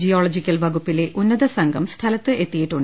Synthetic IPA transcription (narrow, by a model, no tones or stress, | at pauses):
d͡ʑijoːɭɐd͡ʑikʲːɐlʋɐɣupːile̞ʔunːɐðɐsɐŋɡʱɐmst̪ʰɐlɐt̪ːɨʔe̞t̪ːijiʈːuɳ